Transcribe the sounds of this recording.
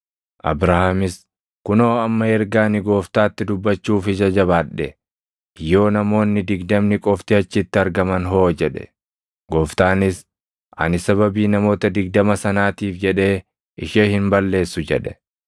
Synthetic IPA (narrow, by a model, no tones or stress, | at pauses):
ʔɐ̰bɾɐhamɪs | kʊnoːɐmːɐɛɾɡaːnɪɡo̞ːft̪aːt̪ːɪd̪ʊbːɐt͡ʃːuːfɪd͡ʒɐd͡ʒɐβaːᶑɛ | jo̞ːnɐmo̞ːnːɪd̪ɪɡd̪ɐmnɪkʼɔft̪ɪɐt͡ʃːɪt̪ːɪɐɾɡɐmɐnɦo̞ːd͡ʒɛᶑɛ̥̰ | ɡoːft̪aːnɪs | ʔɐ̰nɪsɐβɐbiːnɐmo̞ːt̪ɐd̪ɪɡd̪ɐmɐsɐnaːt̪iːfd͡ʒɛᶑe̞ː | ɪʃeːhɪmbɐlːe̞ːsːʊd͡ʒɛ̰ᶑɛ̥